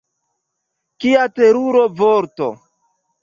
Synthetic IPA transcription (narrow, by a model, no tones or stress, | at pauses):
kiateɾuɾovoɾto̰